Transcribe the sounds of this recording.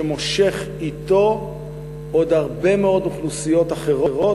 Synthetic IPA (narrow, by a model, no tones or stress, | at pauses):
emoʃe̞χ | it̪o̞ | od̪aʁbe̞meo̞d̪muχlusijo̞t̪aχe̞ʁoʁo̞